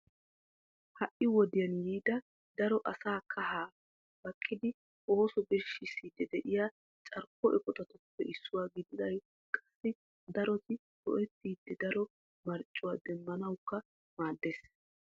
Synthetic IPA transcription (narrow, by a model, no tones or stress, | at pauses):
hɐʔɪwɔd̪ɪjɐnjiːd̪ɐ | d̪ɐɾɔʔɐsaːkʰɐhaː | b̥ɐkʼʰːɪd̪ɪ | ʔo̞ːsɔbɛʃːɪsːiːd̪ɛd̪ɛʔɪja | t͡ʃʼɐɾkːɔʔɛkʼɔt̪ɐt̪ɔpːɛʔɪsːʊwaːɡɪd̪ɪd̪ɐj | kʼɐsːɪ | d̪ɐɾɔt̪ɪ | t̪ɔ̰ʔɛt̪ːiːd̪ːɛd̪ɐɾɔ | mɐɾt͡ʃʼːʊwaːd̪ɛmːɐnɐwkːɐ | maːd̪ːeːs